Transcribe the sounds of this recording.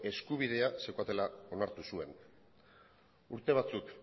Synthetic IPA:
e̞skuβið̞e̞asekuat̪e̞lao̞naɾt̪usue̞n | uɾt̪e̞β̞at͡suk

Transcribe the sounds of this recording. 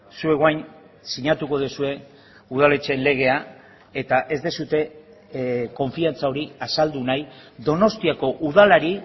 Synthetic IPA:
sue̞ɣoajn | siɲat̪uko̞ð̞esue̞ | uð̞ale̞t͡ʃe̞nle̞ɣ̞e̞a | e̞t̪aʔe̞zd̪esut̪e̞ | ko̞ɱfiant͡sao̞ɾiasald̪unajðo̞no̞st̪iako̞ʔuðalaɾi

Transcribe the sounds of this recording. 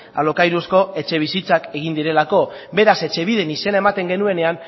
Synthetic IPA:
a̰lo̞kajɾusko̞e̞t͡ʃe̞βisit͡sake̞ɣ̞ind̪iɾe̞lako̞be̞ɾase̞t͡ʃe̞β̞ið̞e̞nise̞nae̞mat̪e̞ŋɡe̞nue̞ne̞an

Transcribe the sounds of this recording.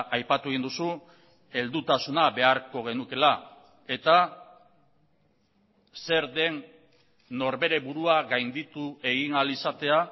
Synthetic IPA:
ʔajpat̪ue̞ɣind̪usu | e̞ld̪ut̪asunaβe̞aɾko̞ɣ̞e̞nuke̞la | e̞t̪a | se̞ɾðe̞nː | o̞ɾβe̞ɾe̞βuɾuaɣajnd̪it̪ue̞ɣinalisat̪e̞a

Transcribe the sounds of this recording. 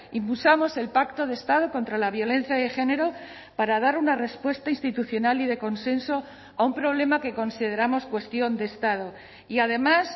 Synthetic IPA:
impulsamo̞se̞lpakt̪o̞ð̞e̞st̪að̞o̞ko̞nt̪ɾalaβjo̞le̞n̟θjaðe̞xe̞ne̞ɾo̞ | paɾaðaɾunare̞spwe̞st̪ainst̪it̪uθjo̞naliðe̞ko̞nsẽ̞nso̞ | aumpɾo̞β̞le̞make̞ko̞nsið̞e̞ɾamo̞skwe̞st̪jo̞nd̪e̞st̪að̞o̞ | iað̞e̞mas

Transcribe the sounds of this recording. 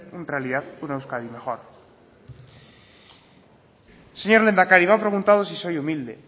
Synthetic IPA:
unrealiðaθunaewskaðime̞xoɾ | seɲoɾle̞nd̪akaɾimapɾe̞ɣ̞unt̪að̞osiso̞jumild̪ḛ

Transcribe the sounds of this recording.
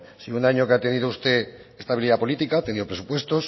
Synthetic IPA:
siunaɲo̞keat̪e̞niðoust̪e̞ | est̪aβiliðapo̞lit̪ikat̪eniðopɾe̞supwe̞st̪o̞s

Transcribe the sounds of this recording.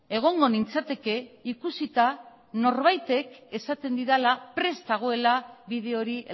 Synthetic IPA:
e̞ɣ̞o̞ŋɡo̞nint͡sat̪e̞ke̞ikusit̪a | no̞ɾβajt̪e̞ke̞sat̪e̞nd̪iðalapɾe̞st̪aɣ̞o̞e̞laβiðe̞o̞ɾi

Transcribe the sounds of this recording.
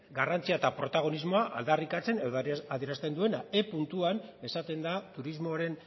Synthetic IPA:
ɡarant͡siaet̪apɾo̞t̪aɣ̞o̞nizmo̞aʔa̰ld̪arikat͡se̞neðoaðieɾast̪e̞nd̪ue̞nae̞punt̪uane̞sat̪e̞nd̪at̪uɾizmo̞ɾe̞n

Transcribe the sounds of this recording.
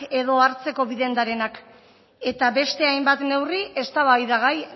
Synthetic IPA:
e̞ðo̞aɾt͡se̞ko̞βiðe̞nd̪aɾe̞nak | e̞t̪aβe̞st̪e̞ajmbat̪ne̞wriʔe̞st̪aβajðaɣ̞aj

